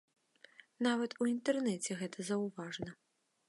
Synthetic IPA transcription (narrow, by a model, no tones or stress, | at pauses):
navɐt̪uint̪ɛrnɛt͡sʲɛɣɛt̪ʰɐzɐwvaʐnɐ